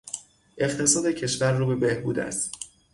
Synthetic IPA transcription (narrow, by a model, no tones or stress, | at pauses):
ʔe̞χt̪ʰe̞sɒːd̪ecʰeʃvæɾːuːbe̞be̞hbuːd̪æ̰st̪